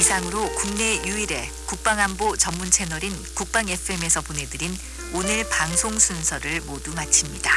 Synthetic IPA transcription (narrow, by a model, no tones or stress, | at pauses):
isʰaŋɯɾokuŋne̞juiɾe̞ | kuk̚p͈aŋambot͡ɕʌmːunt͡ɕʰe̞nʌɾinkuk̚p͈aŋe̞pʰɯe̞me̞sʰʌpone̞dɯɾin | onɯɭpaŋsʰoŋsʰunsʰʌɾɯɭmodumat͡ɕʰimɲida